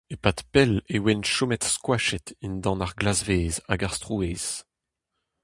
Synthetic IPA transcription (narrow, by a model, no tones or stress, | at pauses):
epat̪pɛlewɛnʃomɛt̪skwaʃɛt̪ind̪ɑ̃naʁɡlazveːza̰ɡaʁst̪ʁueːz̥